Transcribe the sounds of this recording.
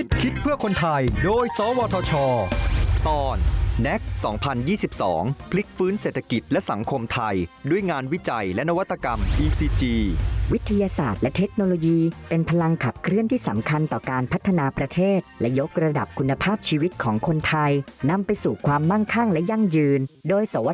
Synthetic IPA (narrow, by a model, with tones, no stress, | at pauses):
i˦˥t̪̚kʰi˦˥t̪̚pʰɯ˥˩əkʰo˧nt̪ʰa˧jdoː˧jsɔː˨˦wɔː˧t̪ʰɔː˧t͡ɕʰɔː˧t̪ɔː˧nːɛ˦˥k̚sɔː˩˦ŋpʰa˧njiː˥˩si˨˩p̚sɔ̰ː˩˦ŋpʰli˦˥k̚fɯː˦˥nse˨˩t̪ʰːa˧ki˨˩t̪̚lɛ˦˥ʔsa˩˦ŋkʰo˧mt̪ʰa˧jdu˥˩əjŋaː˧nwi˦˥t͡ɕa˧jlɛ˦˥na˦˥wa˥t̪ʰːa˧ka˧mʔiː˧siː˧t͡ɕiː˧wi˦˥t̪ʰːa˧jaː˧saː˨˩t̪̚lɛ˦˥ʔt̪ʰe˦˥k̚noː˧loː˧jiː˧pe˧npʰa˧la˧ŋkʰa˨˩p̚kʰɾɯ˥˩ənt̪ʰiː˥˩sa˩˦mkʰa˧nt̪ɔː˨˩kaː˧npʰa˦˥t̪ʰːa˧naː˧pɾa˧t̪ʰeː˥˩t̪̚lɛ˦˥jo˦˥k̚ɾa˧da̰˨˩p̚kʰu˧nːa˧pʰaː˥˩p̚t͡ɕʰiː˧wi˦˥t̪̚kʰɔː˩˦ŋkʰo˧nt̪ʰa˧jna˧mpa˧jsuː˨˩kʰwaː˧mːa˥˩ŋkʰa˥˩ŋlɛ˦˥ʔja˥˩ŋjɯː˧ndoː˧jsa˩˦wa˦˥